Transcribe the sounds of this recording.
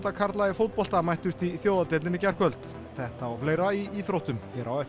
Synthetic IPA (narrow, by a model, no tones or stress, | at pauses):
t̪akʰaɾt̪laɪfowt̪̚pɔl̥t̪amajht̪ʏst̪iθjowðat̪elɪnːɪcɛr̥kvœlt̪ | θɛht̪aːwfleːjɾaiiθɾowht̪ʏmcɛːɾawœ